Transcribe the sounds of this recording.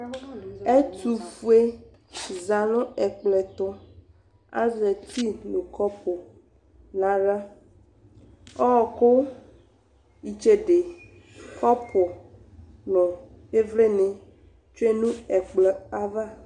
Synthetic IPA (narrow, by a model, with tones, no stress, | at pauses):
e˦t̪u˨fu˦e˦ | za˨nʊ̃˦ɛ˨k͡plɛ˨t̪ʊ˦ | a̰˦zɛ˨t̪i˦nũ˨kɔ˦pʰɔ˨ | nã˨ɖa˦ | ɔ˦ɔ˨ko˦ | i˨t͡ʃe˦ɖe˨ | kʰɔ˦pʰɔ˨ | nɔ̃˨ | e˦vle˦nẽ˨ | t͡ʃo˦e˦nũ˦ɛ˨k͡plɛ˨a˦va˦